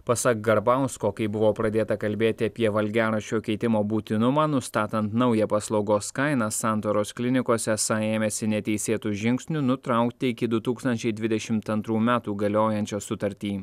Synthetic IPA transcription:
pɐsɐk̚ɡɐɾbɑˑʊskoːkɐɪbʊʋoːpɾɐd̪ʲeːt̪ɐkɐlʲbʲeːt̪ʲɪɐpʲiɛʋɐlʲɡʲæːɾɐʃʲoːkʲɛɪt̪ʲɪmoːbuːt̪ʲɪnʊmɑːnʊst̪ɑːt̪ɐnt̪nɐʊjɛpɐslˠɒʊɡoːskɐɪnɐsɑˑnt̪oːɾoːsklʲɪnʲɪkoːsʲɛsɐeːmʲɛːsʲɪnʲɛt̪ʲɛɪsʲeːt̪uːʒʲɪŋʲksʲnʲʊnʊt̪ɾɐʊkt̪ʲɪɪkʲɪd̪ʊt̪uːkst̪ɐnʲt͡ʃʲɛɪd̪ʲʋʲɪd̪ʲɛʃʲɪmt̪ɐnt̪ɾuːmʲæːt̪uːɡɐlʲoːjɛnʲt͡ʃʲɛsʊt̪ɐɾʲt̪ʲiː

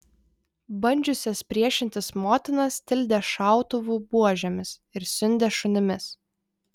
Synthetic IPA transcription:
bɐnʲd͡ʒʲʊsʲɛspʲɾʲiɛʃʲɪnʲt̪ʲɪsmoːt̪ʲɪnɐst̪ʲɪlʲd̪ʲɛʃɑˑʊt̪ʊʋuːˑbuɔʒʲɛmʲɪs | ɪɾsʲʊnʲd̪ʲɛʃʊnʲɪmʲɪs

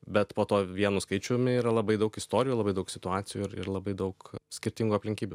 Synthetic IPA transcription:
bʲɛt̪poːt̪oːʋʲiɛnuːskɐɪt͡ʃʲumʲɪiːɾɐlˠɐbɐɪd̪ɐʊkɪst̪oːɾʲɪjuːlˠɐbɐɪd̪ɐʊksʲɪt̪ʊɑːtsʲɪjuːɪɾɪ̰rlˠɐbɐɪd̪ɐʊksʲkʲɪɾʲt̪ʲɪŋɡuːɐpʲlʲɪŋʲkʲiːbʲʊ

